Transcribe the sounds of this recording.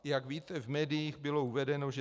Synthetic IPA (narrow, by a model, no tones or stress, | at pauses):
jaɡviːt̪ɛvmɛːdɪjiːxbɪlo̞uvɛdɛno̞ʒɛ